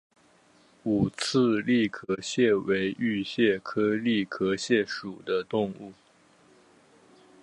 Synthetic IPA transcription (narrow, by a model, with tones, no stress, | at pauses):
u˨˩t͡s̩ʰ˥˧li˥˩kʰɤ˥ɕjɛ˥˩we˧˥ɪy˥˧ɕjɛ˥˩kʰɤ˥li˥˩kʰɤ˥ɕjɛ˥˩ʂu˨˩d̪ə˦t̪ʊ˥˧ŋu˥˩